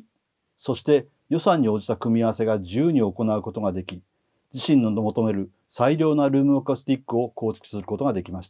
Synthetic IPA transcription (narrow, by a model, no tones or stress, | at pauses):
so̞ɕi̥t̪e̞ | jo̞sãɲ̟ːio̞ːd͡ʑi̥t̪akɯ̟mʲiaβase̞ɡad͡ʑɨːɲ̟io̞ko̞naɯ̟kot̪o̞ɡad̪e̞kʲi | d͡ʑiɕĩnːonomo̞t̪o̞me̞ɾɯ̟ | saiɾʲo̞ːnaɾɯ̟ːmɯ̟okast̪ʲikːɯ̟o̞ko̞ːt͡ɕi̥kʲi̥sɨɾɯ̟ko̞t̪o̞ɡad̪e̞kʲimaɕi̥t̪ḁ